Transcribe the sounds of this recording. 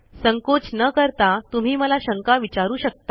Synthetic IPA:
səŋkot͡snəkəɾt̪at̪um̤iːməlaɕəŋkaʋit͡ɕaɾuːɕək̚t̪a

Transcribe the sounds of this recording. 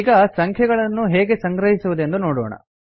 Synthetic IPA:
ɡɐsɐŋkʰjɛɡɐɭɐnːuɦeːɡe̞sɐŋɡɾɐɦisuʋud̪end̪unoːɽɔ̰ːɳɐ̰

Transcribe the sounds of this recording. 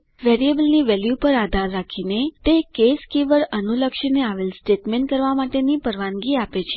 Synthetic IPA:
ʋeɾiebəlniʋɛljupəɾad̪ʱaɾːakʰinet̪ekeskiʋəɾənuləkʃəneaʋelsʈeʈmẽɳʈ̚kəɾʋamaʈenipəɾʋãŋɡiapet͡ʃʰe

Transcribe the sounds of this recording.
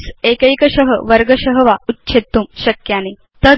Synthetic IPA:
sekəjkəɕəɦəʋəɾɡəɕəɦəʋautːɕʰet̪ːuːmɕəkjane | t̪ə

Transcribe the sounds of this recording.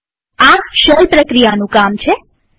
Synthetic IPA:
aʃəlpɾəkɾijanũkamt͡ʃʰe

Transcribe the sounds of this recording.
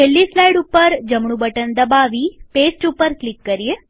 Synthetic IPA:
elːislaiɽupəɾd͡ʒəmɳ̃ũbəʈənd̪əbaʋipesʈupəɾklikːəɾie

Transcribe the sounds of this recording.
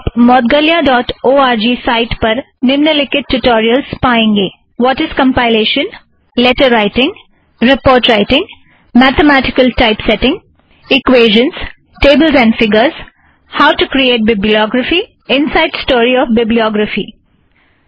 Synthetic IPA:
pmɔːt̪̚ɡəljaɖɔːʈoːaːɾd͡ʒiːsaɪʈpɐɾ | nɪmnəlɪkɪʈʈːuʈɔːɾiəlzpaːẽːŋɡeː | ʋɔːʈɪzkɐ̃mpaɪleːʃə̃n | lɛʈəɾːaɪʈɪ̃ŋɡ | ɾɪpoːɾʈɾaɪʈɪ̃ŋ | mæːt̪ʰemæːʈɪ̥kəlʈaɪpsɛʈɪ̃ŋɡ | ɪkweːʒə̃ns | ʈeːbəlzɛ̃ːɳɖfɪɡəɾz | haʊʈukɾieːʈ̚bɪbliɔːɡɾəfi | ɪ̃nsaɪɖsʈoːɾiɔːfbɪbliɔːɡɾəfḭː

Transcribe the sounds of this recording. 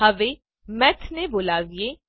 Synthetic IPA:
əʋeː | mɛt̪ʰneboːlaːʋieː

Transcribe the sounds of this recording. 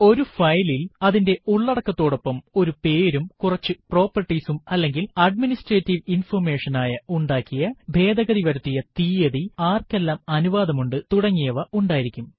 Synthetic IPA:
o̞ɾufɐjlilɐðinde̞uɭːɐɽɐkːɐt̪ːo̞ːɽo̞pːɐmo̞ɾupe̞ːɾumkurɐt͡ɕːɨpro̞ːpːɐrʈːisumɐlːe̞ŋɡilɐɖ̚minisʈreːtːiʋinfɐrme̞ːʂɐnaːjɐuɳɖaːkːijɐbʱe̞ːd̪ɐɣɐɾiʋɐɾɐt̪ːijɐt̪iːjɐðiaːrkːe̞lːaːmɐnuʋaːd̪ɐmuɳɖɨt̪uɽɐŋːijɐʋɐʔuɳɖaːjiɾikʲːum

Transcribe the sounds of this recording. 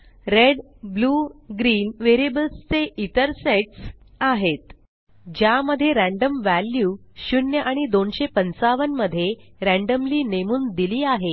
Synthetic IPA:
ɾeɖ | bluːɡɾiːnʋeɾibəlst͡seʔit̪əɾseʈs | aɦet̪ | d͡ʑjaməd̪ʱːjeɾæ̃ɳɖəmʋæljuːɕunjəʔaɽ̃id̪onɕepənt͡saʋənməd̪ʱːjeɾæ̃ɳɖəmliːnemuːnd̪iliːaɦe

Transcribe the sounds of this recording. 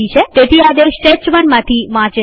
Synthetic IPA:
it͡ʃʰet̪et̪ʰiad̪eʃʈet͡ʃmənmãt̪ʰiʋãt͡ʃe

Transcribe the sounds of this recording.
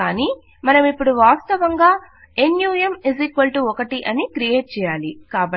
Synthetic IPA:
aːniː | mɐnɐmipːuɽuʋaːst̪ɐʋɐŋɡaː | enjuːjɐmezikʋɐlʈuɔkɐʈiʔɐnikɾije̞ːʈ̚t͡ʃɛːjaːlikaːbɐ

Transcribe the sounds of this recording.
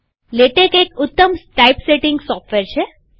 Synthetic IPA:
leʈekekʊt̪ːəmsʈajpseʈɪ̃ŋɡsɔfʈʋeɾt͡ʃʰe

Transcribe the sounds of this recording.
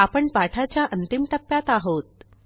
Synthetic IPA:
apəɳpaʈʰat͡ɕjaʔənt̪imʈ̪əpːjat̪aɦot̪̚

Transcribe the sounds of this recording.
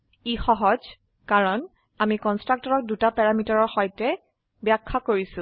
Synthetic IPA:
ixɔɦɔd͡ʒ | kaɹɔn | amikɔnstɹak̚tɔɹɔk̚dutapɛɹamitaɹɔɹxɔjtɛ | bjakʰːakoɹisʊ̃

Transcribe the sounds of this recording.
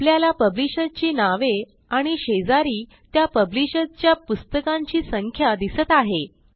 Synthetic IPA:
pljalapəbliɕət͡ɕiːnaʋe | aɽ̃iɕed͡zaɾiː | t̪japəbliɕət͡ɕjapust̪əkãɲt͡ɕiːsəŋkʰjad̪isət̪aɦe

